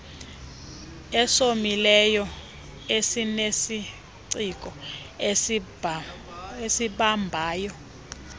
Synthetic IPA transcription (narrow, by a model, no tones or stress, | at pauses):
ɛsomilɛjɔ | esinesi | ǀik̬ʼɔ | e | esiɓambʱaːjɔ